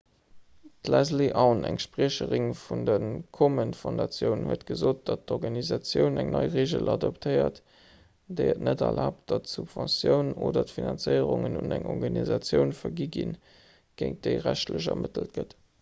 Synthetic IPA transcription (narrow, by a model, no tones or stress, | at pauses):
tlæzliʔaʊnæŋʃpʁiəɕəʁiŋfundənkʰomənfõndɑt͡sjəʊnhuət̚ɡ̥əzoːt̚d̥ɑt̚dɔʁɡɑnizɑt͡sjəʊnæŋnʔɑɪʁeːʒəlʔɑdoptʰəɪɐt | d̥eɪətnədɛlʔaːp̚td̥ɑtsubv̥ɑ̃nsjəʊnoːdɐtfinɑnt͡səɪəʁuŋənunæŋʔɔʁɡɑnizɑt͡sjəʊnfɐɡiɡin | ɡ̥eɪŋt̚d̥əɪʁæɕtʰləɕ̬ɐmətəlt̚ɡ̥ət